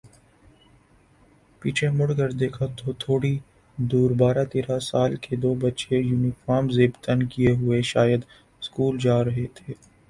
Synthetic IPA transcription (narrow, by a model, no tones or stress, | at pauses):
piːt͡ʃʰemʊɽɡəɾd̪eːkʰat̪ʰot̪ʰoːɽi | d̪uːɾbaːɾat̪eːɾasaːlked̪oːbətːʃejuːnɪfaːɾmzeːbt̪ənkieɦʊeʃaːjəd̪ | skuːld͡ʒaːɾɐɦet̪ʰeː